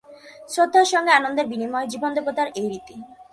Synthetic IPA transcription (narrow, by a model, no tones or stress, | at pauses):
sɾod̪ʱːaɾʃɔŋɡeanond̪eɾbinimɔed͡ʑibond̪okot̪aɾejɾit̪i